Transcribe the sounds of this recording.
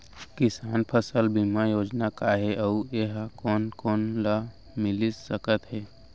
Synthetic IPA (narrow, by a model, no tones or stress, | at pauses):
kɪsaːnpʰəsəlbimajoːd͡ʒnakaɦeʔəueɦakɔːnkɔːnla | mɪlisəkət̪ɦɛː